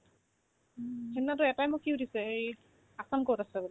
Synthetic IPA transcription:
kʰɛnːatʊɛtajmʊkːiutʰisɛej | asamkoɹɔtasɛbɔlɛ

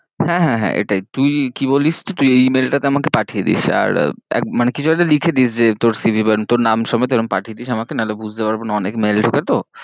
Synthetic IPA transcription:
hɛ̃ɦɛ̃ɦɛ̰̃ʔḛʈajt̪ujkiboliʃd͡ʑet̪ujejmelʈat̪eamakepaʈʰied̪ḭʃa̰ɾɛ̰k̚manekit͡ɕʰueʈalikʰed̪iʃd͡ʑet̪oɾsibʱibant̪oɾnamʃɔmɔet̪eɾonpaʈʰied̪iʃamakenalobud͡ʑʱt̪epaɾbenaɔnekmelʈʰoket̪o

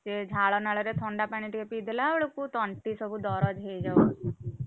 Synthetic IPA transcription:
sed͡ʒʱaːɭɔnaɭɔɾet̪ʰɔɳɖapaniʈikepid̪ʱlaoɽukut̪ɔɳʈisɔbʱud̪ɔɾɔd͡ʒɦed͡ʒawsu

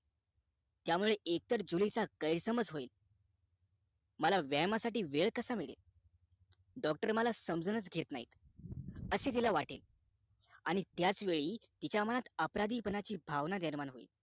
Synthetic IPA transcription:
t̪jamuɭeʔek̚t̪əɾd͡ʑulit͡sakəjɾsəməd͡zɦoiːl | məlaʋjamasaʈiːʋeɭkəsamiɭḛl | ɖɔk̚ʈəɾməlasəmd͡zənət͡sɡʱet̪na̰ɦḭt̪ | əseːt̪̬ilaʋaʈḛl | aɽ̃it̪jat͡sʋeɭiːt̪it͡ɕjaməñat̪əpɾad̪iːpənat͡ɕiːbʱaʋnad̪əɾmanɦoḭːl

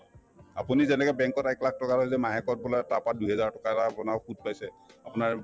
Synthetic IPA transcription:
a̰punizɛnɛkɛbɛŋkɔtaklak̚ʰtɔkaɹojzɛmaɦɛkɔt̚bɔlatapat̚duɦɛzaɹtɔkatapʊnaxud̚pajsɛapʊnaɹ

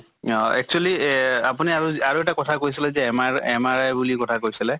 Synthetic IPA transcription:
ɔɛ̰k̚t͡ʃualiapuniaɹuaɹuɛtakɔtʰakoɹis̬ilɛzɛɛmaɛmaɹajbulikɔtʰakoɹjsilɛ

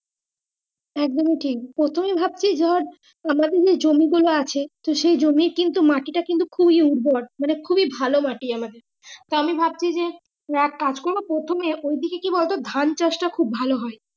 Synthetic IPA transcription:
ɛk̚d̪omiʈʰik̚pɾot̪ʰomebʱab̚t͡ɕʰid͡ʑɔɾ | amad̪eɾd͡ʑed͡ʑomiɡuloat͡ɕʰet̪oʃejd͡ʑomiɾkint̪umaʈiʈakint̪ukʰubiuʈbɔɖ̚manekʰubibʱalomaʈiamad̪eɾ | t̪oamibʱab̚t͡ɕʰid͡ʑe | akad͡ʑkoɾbopɾot̪ʰomeʔojd̪ikekibɔlt̪od̪ʱant͡ɕaʃʈakʰubːʱaloɦɔe

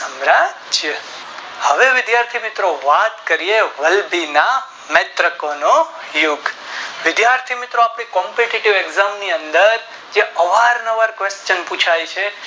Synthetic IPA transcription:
səmɾad͡ʒjə | həʋeʋɪd̪jaɾt̪ʰimɪt̪ɾoʋat̪kəɾieʋəlbina | mɛt̪ɾəkono | juɡʋɪd̪jaɾt̪ʰimɪt̪ɾoapɽ̃ikɔmpeʈiʈiʋeɡzamniənd̪əɾ | d͡ʒeəʋaɾnəʋaɾkʋest͡ʃənput͡ʃʰajt͡ʃʰe

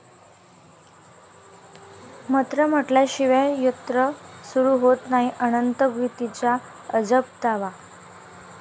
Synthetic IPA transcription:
mət̪ɾəm̤əʈlaɕiʋəjut̪ɾəsuɾuːɦot̪naɦiʔənənt̪əɡʋit̪it͡ɕja | əd͡zəp̚t̪aʋa

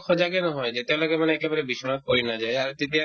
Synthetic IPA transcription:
kʰɔd͡ʒaɡenɔɦɔed͡ʒet̪elɔɡemaneɛkebaɾebiʃɔmat̪̚koinad͡ʒaeaɾt̪it̪i

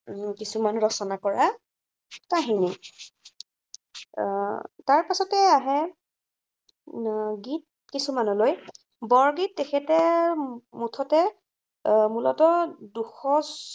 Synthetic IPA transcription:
kisumanɹɔsɔnakɔɹa | taɦini | taɹpasɔtɛaɦɛ | ɡit̚ | kisumanɔloj | bɔɹɡitːɛxʰɛtɛ | mutʰɔtɛ | mulɔtɔduxɔs

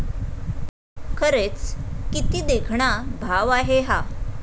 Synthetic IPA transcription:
kʰəɾet͡skit̪iːd̪ekʰɳabʱaʋaɦeɦa

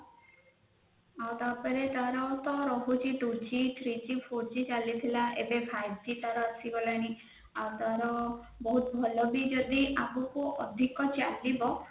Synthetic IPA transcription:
awt̪apɔɾet̪aɾɔt̪ɔɾɔɦut͡ʃʰiʈut͡ʃit̪ʰɾit͡ʃipʰot͡ʃit͡ʃalit̪ʰilaʔebepʰajbd͡ʒit̪aɾɔasibɔlaɽ̃i | awt̪aɾɔ | bɔɦut̪bʱɔlɔbid͡ʒɔd̪iʔamukuʔɔd̪ʱikɔt͡ʃadibɔ

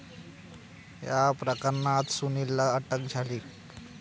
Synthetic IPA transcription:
japɾəkəɾɳat̪sunilːaəʈək̚d͡ʑʱaliːk

